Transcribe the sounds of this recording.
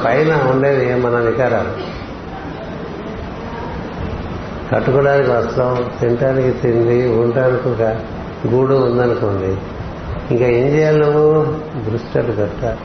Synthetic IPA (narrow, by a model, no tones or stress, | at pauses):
pɐjnɐuɳɖeːd̪imɐnɐnikaːɾamu | kɐʈːukuɽaːnikiʋɐslɐt̪eɳʈaːnikit̪ind̪iuɳʈaːnikuːɡa | ɡuːɽuund̪ɐnikoɳɖi | iŋkaːiɲd͡ʒijallɐku | bɾusʈɐɾubɛʈːa